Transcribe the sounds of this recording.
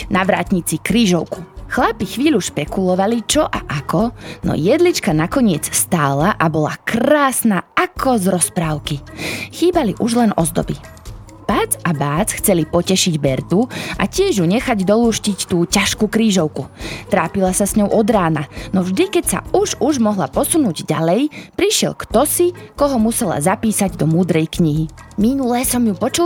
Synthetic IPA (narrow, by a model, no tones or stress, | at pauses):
naʋɾa̰ːt̪ɲit͡sikɾiːʒɔʊku̥xlapixʋiːʎuʃpɛkulɔʋalit͡ʃɔʔaʔakɔnɔ̰jɛd̪lit͡ʃkanakɔɲɪɛt͡sst̪aːlaʔabɔla̰kraːsnaakʰɔzɾɔspɾaːʊkixiːbaliʔuʒlɛnɔzd̪ɔ̰bi | b̥aːd͡zabaːt͡sxt͡sɛlipɔcɛʃiɟbɛɾt̪uʔa̰cɪɛʒjuɲɛxaɟd̪ɔluːʃcict̪uːcaʃkuːkɾiːʒɔʊkut̪ɾaːpilasasɲɔʊʔɔd̪ɾaːnanɔvʒd̪ikɛcsa̰uʒuʒmɔɦlapɔsunuːɟɟa̰lɛjpɾiʃɪɛ̰lkt̪ɔsikɔɦɔmusɛla̰zapiːsaɟd̪ɔmuːd̪ɾɛjkɲiɦiminulɛsɔmjupɔt͡ʃu